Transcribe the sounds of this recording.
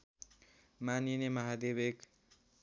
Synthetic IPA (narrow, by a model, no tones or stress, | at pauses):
maninemʌɦad̪ebek